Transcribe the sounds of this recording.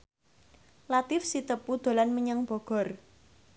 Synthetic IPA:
lat̪ɪfsit̪əpud̪̥o̤lanməɲəŋb̥ɔ̤ɡ̥ɔ̤r

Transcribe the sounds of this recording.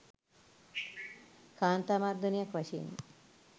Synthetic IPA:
kaːnt̪amaɾd̪unjɐkʋɐʃḭːn

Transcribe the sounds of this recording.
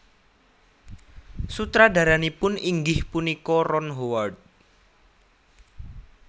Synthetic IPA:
sut̪ɾadä̤ɾanipʊniŋɡɪhpunikɔrɔnɦoward̪̚

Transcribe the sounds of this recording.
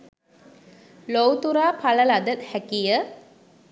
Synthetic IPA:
lowt̪uɾaːpaləlad̪ət̪hækijə

